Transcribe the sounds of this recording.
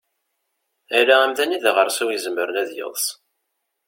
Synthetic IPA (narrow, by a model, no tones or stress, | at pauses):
æɾaæmðæniðʁəɾˤsæwjəzəmːəɾənæðjə̰ðˤs